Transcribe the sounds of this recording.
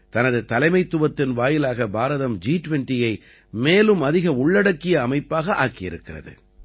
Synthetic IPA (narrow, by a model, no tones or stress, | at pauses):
t̪ɐnɐðɯt̪ɐlɐɪmɐɪt̪ːɯʋɐt̪ːɪnʋaːjɪlaːɣɐbaːɾɐðɐmd͡ʒiːʈʋɛɳʈɪjɐɪ | meːlɯmɐðɪɣɐʊɭːɐɽɐkːɪjɐːmɐɪpːaːɣɐʔaːkɪjɪ̰ɾɯkːɪrɐ̰ðɯ̰